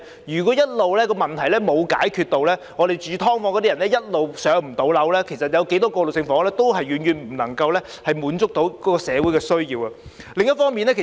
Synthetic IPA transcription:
jyː˨˩k̬ɔ˨˥jɐ˥t̚lo˨wlɛː˥kɔː˧mɐ˨nt̪ʰɐ˨˩jlɛː˥mo˨˧wkaː˨˥jkʰyː˧t̪̚o˨wlɛː˥ŋɔː˨˧ɾe˨jt͡ʃyː˨˧t̪ʰɔː˥ŋfɔː˧ŋkɔː˨˧˥i˥jɐ˨˩nlɛ˥jɐ˥t̚lo˨wsœː˨˥ŋm̩˨˩t̪o˨˧wlɐ˨˥wlɛː˥kʰe˨˩jsɐ˨t̚jɐ˨˧wke˨˥jt̪ɔː˥kɔː˧lo˨˩wsɪ˧ŋfɔː˨˥ŋlɛː˥t̪o˥wɦɐ˨jɥyː˨˩njyː˨˩nm̩˨˩nɐ˨˩ŋkɐ˧wlɛː˥ | hɐ˨jmuː˨˧˥nt͡sʊ˥k̚t̪o˨˥wkɔː˨˥kɔː˧sɛː˨˧wu˨˥jkɛː˧sɵ˥ɥjiː˧wɐ˨˧lɪ˨ŋjɐ˥t̚fɔː˥ŋmiː˨˧nlɛː˥kʰe˨˩

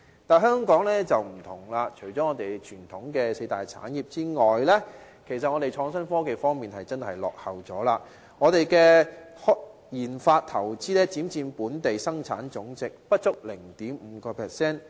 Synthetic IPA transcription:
t̪aː˨˩nɦœː˥ŋkɔː˨˥ŋlɛː˥t͡sɐ˨wm̩˨˩t̪ʰʊ˨˩ŋlaː˧t͡ʃʰɵ˨˩jt͡ʃɔː˨˥ŋɔː˨˧t̪e˨jt͡ʃʰyː˨˩nt̪ʰʊ˨˥ŋkɛː˧se˧jt̪aː˨˩jt͡sʰa̰ː˨˥nji˨p̚t͡siː˥ŋɔː˨jlɛː˥ | kʰe˨˩sɐ˨t̚ŋɔː˨˧ɾe˨jt͡ʃʰɔː˧ŋsɐ˥nfɔː˥ke˨jfɔː˥ŋmiː˨˩nhɐ˨jt͡sɐ˥nhɐ˨jlɔ̰ː˨k̚hɐ˨wt͡sɔː˨˥laː˧ | ŋɔː˨˧t̪e˨jkɛː˧hɔ˥ | jiː˨˩nfaː˧t̚t̪ʰɐ˨˩wt͡siː˥lɛː˥t͡siː˨˥mt͡siː˧npuː˨˥nt̪e˨jsɐ˥ŋt͡sʰa̰ː˨˥nt͡sʊ˨˥ŋt͡sɪ˨k̚pɐ˥t̚t͡sʊ˥k̚lɪ˨˩ŋt̪iː˨˥mm̩ː˨˧kɔː˧pʰɛː˨˩sɛː˥n

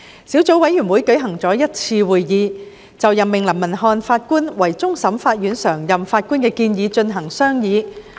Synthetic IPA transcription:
siː˨˥wt͡so˨˥wɐ˨˥jɥyː˨˩nwuː˨˥jkɵ˨˥ɥɦɐ˨˩ŋt͡sɔː˨˥jɐ˥t̚t͡sʰiː˧wuː˨˩jjiː˨˧ | t͡sɐ˨wjɐ˨˩mːɪ˨˩ŋlɐ˨˩mmɐ˨˩nɦɔː˧nfaː˧t̚kuː˥nwɐ˨˩jt͡sʊ˥ŋsɐ˨˥mfaː˧t̚jyː˨˥nsœː˨˩ŋjɐ˨mfaː˧t̚kuː˥nkɛː˧kiː˧njiː˨˧t͡ʃɵ˧nɦɐ˨˩ŋsœː˥ŋjiː˨˧

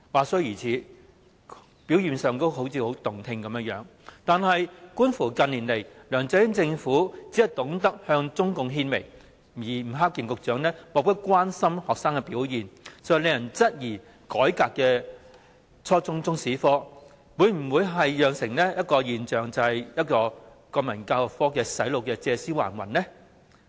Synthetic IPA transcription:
waː˨sɔ˥jiː˨˩t͡sʰiː˨˥ | pi˨˥wjiː˨˧nsœː˨ŋt̪o˥wɦo˨˥wt͡sʰiː˨˧ho˨˥wt̪ʊ˨ŋt̪ʰɪ˧ŋkɐ˨˦mjɐ˥jœː˨˥ŋ | t̪aː˨nɦɐ˨jkuː˥nfuː˨˩kɐ˧nːiː˨˩nle˨˩jlœː˨˩ŋt͡sɛ˨˧˥jɪ˥ŋt͡sɪ˧ŋfuː˨˥t͡si˨˥ɐ˨˩jt̪ʊ˨˥ŋt̪ɐ˥k̚hœː˧ŋt͡sʊ˥ŋkʊ˨˧ŋɦiː˧nme˨˩j | jiː˨˩m̩˨˩ɦaː˥k̚ji˨˧ŋkʊ˨k̚t͡ʃœː˨˥ŋnɛː˥mo˨k̚t̪ɐ˥t̚kʷaː˥nsɐ˥mhɔː˨k̚saː˥ŋkɛ˧piː˨˥wjiː˨nsle˨˧jɐ˨˩nt͡sɐ˥t̚jiː˨˩ | kɔː˨˥jkaː˧kːɛː˧ | t͡ʃʰɔː˥t͡sʊ˥ŋt͡sʊ˥ŋsiː˨˥fɔː˥ | wuː˨˧jm̩˨˩wu˨˧jɦɐ˨jjœː˨ŋsɪ˨˩ŋnɛː˥jɐ˥t̚kɔː˧jiː˨nt͡ʃœː˨ŋt͡sɐ˨˧hɐ˨jjɐ˥t̚kɔː˧ | kɔː˧mɐ˨˩nkaː˧wk̚fɔː˥kɛː˧sɐ˨˥jlo˨wkɛː˧t͡sɛː˧siː˥wa̰ː˨˩nwɐ̰˨˩nnɛ˥

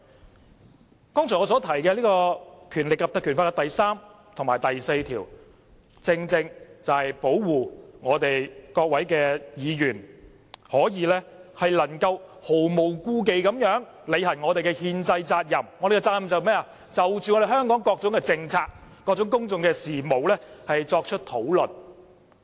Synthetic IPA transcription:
kɔː˥ŋt͡sʰɔː˨˩ŋɔː˨˧s̬ɔː˨˥t̪ʰɐ˨˩jkɛː˧liː˥kɔː˧kʰyː˨˩nlɪ˨kːɐ˨p̚t̪ɐ˧kʰːyː˨˩nfaː˧kɛ˧t̪ɐ˨jsaː˥m | t̪ʰʊ˨ŋmaː˨˩jt̪ɐ˨jse˧jt̪ʰiː˨˩w | t͡sɪ˧ŋt͡sɪ˧ŋt͡sɐ˨whɐ˨jpo˨˥wwuː˨ŋɔː˨˧t̪e˨jkɔː˧k̚wɐ˨˥jkɛː˧jiː˨˧jyː˨˩n | hɔː˨˥jiː˨˧lɛː˥hɐ˨jlɐ˨˩nkɐ˧who˨˩wmo˨˩wkuː˥k̬e˨jkɐ˨˥mjœː˨˥ŋ | le˨˧jhɐ˨˩nŋɔː˨˧ɾe˨jkɛ˧hiː˧nt͡sɐ˧jt͡saː˧t̚jɐ˨˩mŋɔː˨˧ɾe˨˩ɡɛ˧t͡saː˧t̚jɐ˨mt͡sɐ˨˩wmɛː˥ɐ˨ | t͡sɐ˨wt͡ʃyː˨ŋɔ˨˧ɾe˨jhɦœː˥ŋkɔː˨˥ŋkɔː˧k̚t͡sʊ˨˥ŋkɛ˧t͡sɪ˧ŋt͡sʰaː˧k̚kːɔː˧k̚t͡sʊ˨˥ŋk̬ʊ˥ŋt͡sʊ˨˧ŋkɛː˧siː˨˩mo˨˩wlɛː˥hɐ˨jt͡sɔː˧k̚t͡ʃʰt̚t̪ʰo˨˥wlɵ˨n

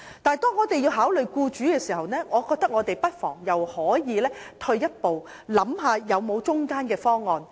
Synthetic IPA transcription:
t̪aː˨˩jt̪ɔː˥ŋːɔː˨˧t̪e˨jiː˧wɦaː˨˥wlɵ˨ɥkuː˧t͡ʃyː˨˥kɛː˧siː˨˩hɐ˨wnɛː˥ŋɔː˨˧kɔː˧k̚t̪ɐ˥k̚ŋɔ˨˧t̪e˨jpɐ˥t̚fɔ̰ː˨˩ŋjɐ˨˩whɔː˨˥jiː˨˧lɛː˥t̪ʰɵ˧ɥjɐ˥t̚po˨w | lɐ˨˥mɦaː˧jɐ˨˧wmo˨˧wt͡ʃʊ˥ŋkaː˥nkɛː˧fɔː˥ŋːɔː˧n

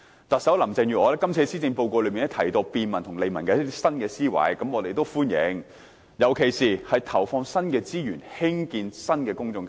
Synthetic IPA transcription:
t̪ɐ˨t̚sɐ˨˥wlɐ˨˩mt͡sɪ˨˧ŋjyː˨ɔː˨˧lɛː˥kɐ˥mt͡sʰiː˧siː˥t͡sɪ˧ŋpo˧wkʷɔː˧lɵ˨˧ɥmiː˨nːɛ˥t̪ʰɐ˨˩jt̪o˧piː˧nmɐ˨˩nt̪ʰʊ˨˩ŋle˨˧jmɐ˨˩nkɛː˧˥i˥sɐ˥nkɛː˧siː˥wɐ̰˨˥jkɐ˨˥mɔː˨˧t̪e˨jt̪o˥wfuː˥njɪ̰˨˧˥ŋ | jɐ˨˩wkʰe˨˩jsiː˨hɐ˨jt̪ʰɐ˨˩wfɔː˧ŋsɐ˥nkɛː˧t͡siː˥jyː˨˩nhɪ˥ŋkiː˧nsɐ˥nkɛː˧kʊ˥ŋt͡sʊ˧ŋ

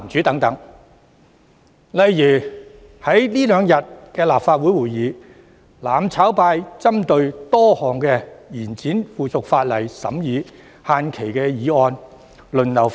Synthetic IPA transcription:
mt͡ʃyː˨˥t̪ɐ˨˥ŋt̪ɐ˨˥ŋ | lɐ˨jjyː˨˩ | hɐ˨˥jliː˥lœː˨˧ŋjɐ˨t̚kɛː˧laː˨p̚faː˧t̚wu˨˥jwuː˨˩jjiː˨˧ | laː˨˩mt͡sʰaː˨˥wpaː˧jt͡sɐ˥mt̪ɵ˧ɥt̪ɔː˥hɔː˨˩ŋkɛː˧jiː˨˩nt͡siː˨˥nfuː˨˩t͡sʰʊ˨k̚faː˧t̚lɐ˨˩jsɐ̰˨˥mjiː˨˧ | haː˧nkʰe˨˩jkɛː˧jiː˨˧ɔː˧n | lɵ˨nlɐ˨˩w

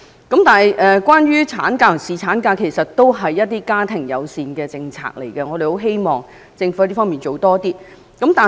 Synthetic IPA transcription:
kɐ˨˥mt̪aː˨nɐ˨jʔɛ˨kʷaː˥nɥyː˥t͡sʰa̰ː˨˥nkaː˧tsiː˨˩t͡sʰaː˨˥nkaː˧kʰe˨˩jsɐ˨t̚t̪ːo˥wɦɐ˨jːɐ˥t̚t̪iː˥kaː˥t̪ʰɪ˨˩ŋjɐ˨˧wsiː˨nkɛː˧t͡sɪ˧ŋt͡sʰa̰ː˧˨k̚le˨˩jkɛ˧ŋɔː˨˧ɾe˨ho˨˥wɦe˥jmɔː˨ŋ | t͡sɪ˧ŋfu˧˥˧t̪iː˥fɔː˥ŋmiː˨˩nt͡ʃo˨wt̪ɔː˥t̪iː˥ | kɐ˨˥mt̪aː˨

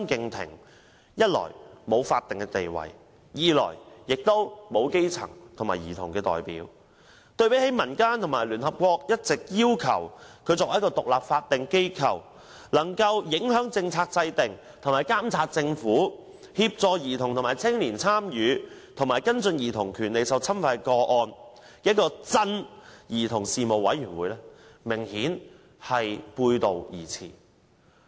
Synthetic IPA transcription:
ŋkɪ˧ŋt̪ʰɪ̰˨˩ŋ | jɐ˥t̚lɔ̰ː˨˩jmo˨˧wfaː˧t̪̚ːɪ˨ŋkɛ˧t̪e˨jwɐ̰˨˩j | jiː˨˧lɔ̰ː˨˩jjɪ˨k̚t̪o˥wmo˨˧wke˥jt͡sʰɐ̰˨˩ŋt̪ʰŋmaː˨˩jḭː˨˩t̪ʰʊ˨˩ŋkɛː˧t̪ɔ̰ː˨jpḭː˨˥w | t̪ɵ˧ɥpe˨˥jhe˨˥jmɐ˨˩nkaː˥nt̪ʰʊ˨˩ŋmaː˨˩jlyː˨˩nɦɐ˨p̚kʷɔː˧k̚jɐ˥t̚t͡sɪ˨k̚jiː˥wkʰɐ̰˨˩wkʰɵ˨˧ɥt͡sɔː˨˧k̚jɐ˥kɔː˧t̪ʊ˨k̚laː˨p̚faː˧t̚t̪ɪ˨ŋke˥jkʰɐ̰˨˩w | lɐ˨˩ŋkɐ˧wjɪ˨˥ŋɦœː˨˥ŋt͡sɪ˧ŋt͡sʰaː˧k̚t͡sɐ˧jt̪ɪ˨ŋ | t̪ʰo˨˩ŋmaː˨˩jkaː˥mt͡sʰaː˧t̚t͡sɪ˧ŋfuː˨˥ | hiː˧p̚t͡sɔː˧jiː˨˩t̪ʰʊ˨ŋt̪ʊ˨ŋmaː˨˩jt͡sʰɪ˥ŋliː˨˩nt͡sʰaː˥mjyː˨˧ | t̪ʰʊ˨˩ŋmaː˨˩jkɐ˥nt͡sɵ˧njiː˨˩t̪ʰʊ˨˩ŋkʰyː˨˩nle˨jsɐ˨wt͡sʰɐ˥mfɐ˧jkɔː˧ʔɔː˧n˥ | t̚kːɔː˧t͡sɐ˥njiː˨˩t̪ʰʊ˨˩ŋsiː˨mo˨wɐ̰˨˥jɥyː˨˩nwuː˨˧jlɛː˥mɪ˨˩ŋhiː˨˥n | hɐ˨jpuː˧jt̪o˨wjḭː˨˩t͡sʰḭː˨˩

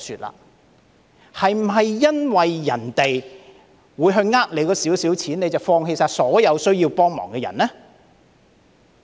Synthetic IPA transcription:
syː˨t̚la̰ː˧ | hɐ˨jm̩˨˩ɦɐ˨jːɐ˥nwɐ˨jːɐ˨˩nt̪e˨j | wuː˨˧jɦɵ˧ɥŋaː˥k̚le˨˧jkɔː˧siː˨˥wsiː˨˥wt͡sʰiː˨˥ne˧t͡sɐ˨wfɔː˧ŋhe˧jsaː˧tsɔː˨˥jɐ˨˧wsɵ˥ɥjiː˧wpɔː˥ŋmɔ̰ː˨˩ŋkɛː˧jɐ̰˨˩nlɛː˥

